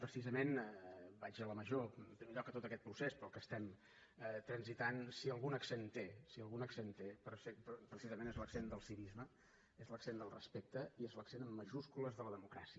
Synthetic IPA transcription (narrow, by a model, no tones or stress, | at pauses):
pɾəsizəmenbaʒələməʒompɾimeʎɔkːət̪ot̪əkɛt̪̚pɾusespɾɔlˠkəst̪ɛm | ət̪ɾənzit̪ansiəlˠɣunəksent̪esiəlˠɣunəksent̪epɾsepɾəsizəmẽnezləksend̪əlˠsiβizmə | ezləksend̪əlˠrə̰spek̚t̪əiezləksenəmːəʒuskuləzðələðəmukɾa̰siə